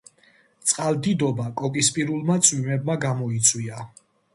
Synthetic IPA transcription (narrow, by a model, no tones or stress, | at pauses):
t̪sʼqʼald̪id̪ɔbakʼɔkʼispʼiɾulˠmat̪sʼʰwimɛbmaɡamɔit̪sʰʼwia